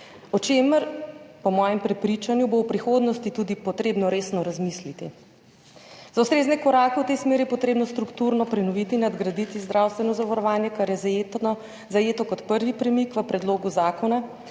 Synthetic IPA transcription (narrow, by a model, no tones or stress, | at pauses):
ɔt͡ʃeːməɾpɔmɔːjɛmpɾɛpɾit͡ʃanjubowpɾixoːd̪nɔst̪it̪uːd̪ipɔt̪ɾeːbnɔɾeːsnɔɾazmislit̪i | zaust̪ɾeːznɛkɔɾaːkɛwt̪esmeːɾijɛpɔt̪ɾeːbnɔst̪ɾukt̪uɾnɔpɾɛnɔʋiːt̪iːnːad̪ɡɾad̪it̪izd̪ɾʔawst̪ʋɛnɔzaʋaɾɔʋaːnjɛkaɾjɛzajeːt̪nɔ | zajeːt̪ɔkɔt̪pəɾʋipɾɛmikʋəpɾɛd̪loːɡuzaːkɔna